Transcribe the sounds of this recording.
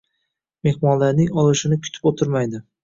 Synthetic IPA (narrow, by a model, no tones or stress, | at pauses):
me̞hmɒnlaɾnɪŋɒlˠɪʃɪnɪkʲʰʊ̥t̪ʰɪ̥pot̪ʰɪɾmajd̪ɪ